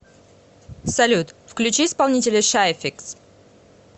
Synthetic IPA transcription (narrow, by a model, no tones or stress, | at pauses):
sɐlʲut̪fklʲʉt͡ɕiːspɐlˠnʲitʲɪlʲɪʂaɪfʲiks